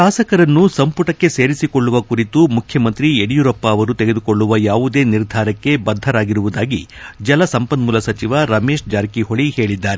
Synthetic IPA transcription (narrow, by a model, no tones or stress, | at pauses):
ʃaːsɐkɐɾɐnːusɐmpuʈɐkːe̞se̞ːɾisikoɭːuʋɐkuɾit̪umukʰjɐmɐnt̪ɾieɽijuɾɔpːaːʋɐɾut̪eɡed̪uko̞ɭːuʋɐjaːʋud̪e̞ːniɾd̪ʱaːɾɐkːe̞bɐd̪ʱːɐɾaːɡiɾuʋud̪aːɡid͡ʒɐlɐsɐmpɐnmulɐsɐt͡ʃiʋɐɾɐme̞ːʂd͡ʒaːɾkiɦoɭihe̞ːɭid̪ːaːɾe